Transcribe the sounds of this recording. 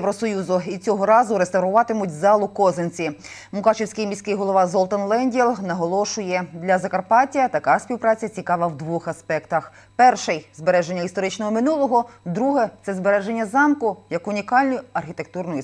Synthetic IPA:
jʋɾɔsɔjuzʊit͡sʲɔɦɔɾɑzʊɾest̪ɐʋwɾʊʋɑt̪ɪmʊt̚ʲzɑlˠʊkɔzenʲt͡sʲimʊkɑt͡ʃewsʲkɪjmʲisʲkɪjɦɔlˠɔʋɑzɔlˠt̪ɐnlˠɛnʲdʲilˠnɐɦɔlˠɔʃʊjɛd̪lʲɐzɐkɐrpɑtʲɐt̪ɐkɑsʲpʲiwpɾɑt͡sʲɐt͡sʲikɑʋɐwd̪ʋuxɐspɛkt̪ɐx | pɛrʃɛjzbeɾɛʒenʲːɐist̪ɔɾɪt͡ʃnɔɦɔmɪnulˠɔɦɔd̪ɾuɦɛt̪sɛzbe̞ɾɛʒenʲːɐzɑmkʊjɐkʊnʲikɑlʲnɔjʊɐrxʲit̪e̞k̚t̪urnɔj

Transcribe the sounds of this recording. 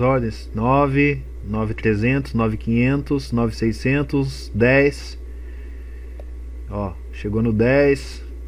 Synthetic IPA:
ɔɾd̪ẽj̃snɔvɪ | nɔvɪt̪ɾezẽnt̪ʊznɔvɪkĩɲẽnt̪ʊsnɔvɪsejsẽnt̪ʊs | d̪ɛjs | ɔ | ʃeɡonʊd̪ɛjs

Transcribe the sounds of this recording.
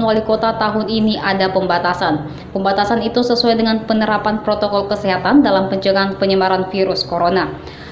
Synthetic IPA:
nwalikot̪at̪aɦʊniniʔadapəmbat̪asan | pəmbat̪asanit̪usəsuajdəŋanpənəɾapanpɾot̪okɔlkəseɦat̪andalampəɲt͡ʃəŋanpəɲəmaɾanfiɾuskoɾona

